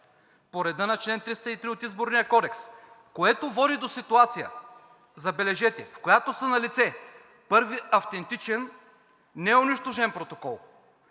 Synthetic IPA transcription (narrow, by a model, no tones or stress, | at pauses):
poɾɛd̪ənɐt͡ʃlɛnt̪ɾist̪əit̪ɾiot̪izboɾnijəkɔd̪ɛks | koɛt̪ovɔd̪id̪osit̪uat̪sijə̰ | zɐbɛlɛʒɛt̪ʲɛfkojat̪osənɐlit̪sɛ | pɤɾviɐft̪ɛnt̪it͡ʃɛnː | ɛʊniʃt̪oʒɛnpɾot̪okɔlˠ